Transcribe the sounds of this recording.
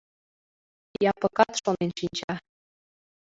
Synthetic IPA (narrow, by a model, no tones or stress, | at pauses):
jɑpɤ̆kɑt̪ʃonenʃinʲt͡ɕɑ